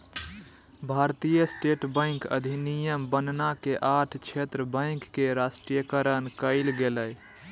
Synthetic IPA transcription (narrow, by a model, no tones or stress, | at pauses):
bʱaɾt̪ijəsʈeʈbə̃ɪŋkə̰d̪ʱinijəmbənnakeʔaʈʰt͡ʃʰet̪ɾəbə̃ɪkːeɾasʈɾijəkəɾənkəɪlɡeləj